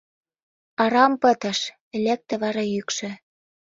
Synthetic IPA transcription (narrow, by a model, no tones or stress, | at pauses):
ɑɾɑmpə̆t̪ə̆ʃ | elʲek̚t̪ĕβɑɾɑjykʃɘ̆